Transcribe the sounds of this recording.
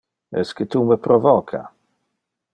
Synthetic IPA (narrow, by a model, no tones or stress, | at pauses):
ɛskət̪uməpɾovɔkʰa̰